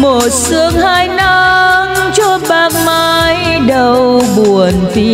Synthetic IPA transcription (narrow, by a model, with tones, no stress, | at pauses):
mo˨˩t̚sɨ˧˦əŋhaː˧jna˧ŋ | t͡ɕɔ˧˥ɓaː˨˩k̚ma˧j | ɗə˧wɓu˨˩ənfi˧˦